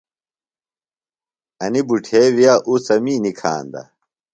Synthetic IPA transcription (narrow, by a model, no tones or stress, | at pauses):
ɐnibuʈʰeːwijaʔusɐmiːnikʰa̰ːnd̪ɐ̰